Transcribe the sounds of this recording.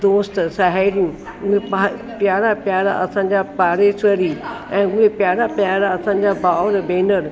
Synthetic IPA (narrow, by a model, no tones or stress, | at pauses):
d̪oːsʈ̪saɦaɾjũ | muɦẽpapjaːɾapjaːɾa̰ʔɐsãɲd͡ʑapaːɾesəɾi | ɛ̃ːmuɦẽpjaːɾapjaːɾaɐsãɲd͡ʑabaːʋɾbẽːnəɾ